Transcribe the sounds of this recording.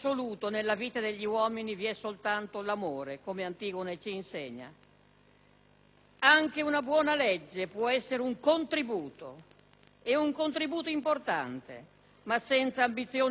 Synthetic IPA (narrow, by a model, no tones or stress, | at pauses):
oluːt̪onelːaviːt̪ad̪eʎːiwɔːminiviɛsolt̪ant̪olamoːɾekomeant̪iːkonet͡ʃiːnseɲːa̰ | aŋk̟eunabwɔːnaled͡ʒːepwɔɛsːeɾeuŋkont̪ɾibuːt̪o | euŋkont̪ɾibuːt̪oimport̪a̰nt̪ḛ | masːɛnt̪saːmbit̪sːjoː